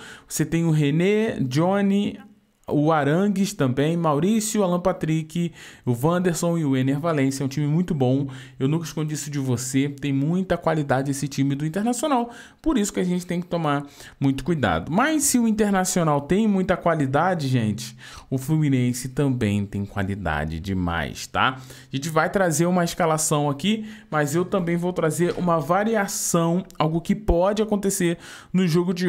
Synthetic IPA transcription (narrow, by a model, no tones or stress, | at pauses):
voset̪ẽj̃ʊɦened͡ʒõni | ʊaɾɐ̃ɡɪʃt̪ɐ̃mbẽj̃mawɾisjʊalɐ̃pat̪ɾikɪʊvɐ̃d̪eɾsõw̃ɪʊeneɾvalẽsɐɛũt͡ʃĩmɪmũj̃t̪ʊbõw̃ewnũkɐiʃkõnd͡ʒiisʊd͡ʒɪvoset̪ẽj̃mũj̃t̪ɐkwalid̪ad͡ʒɪesɪt͡ʃĩmɪd̪ʊĩnt̪eɾnasiõnaw | poɾisʊ̥kɪaʒẽnt͡ʃɪt̪ẽj̃kɪ̥t̪omaɾ | mũj̃t̪ʊ̥kujd̪a̰d̪ʊmajsɪʊĩnt̪eɾnasionawt̪ẽj̃mũj̃t̪ɐkwalid̪ad͡ʒɪʒẽnt͡ʃɪ̥ | ʊfluminẽsɪt̪ɐ̃mbẽj̃t̪ẽj̃kwa̰lid̪a̰d͡ʒɪ̰d͡ʒɪma̰jst̪a̰ | aʒẽnt͡ʃɪvajt̪ɾazeɾũmɐeʃkalasɐ̃w̃akimɐzewt̪ɐ̃mbẽj̃vowt̪ɾazeɾṵ̃mɐvaɾiasɐ̃w̃awɡʊkɪpɔd͡ʒɪakõnt̪eseɾ | nʊʒoɡʊd͡ʒɪ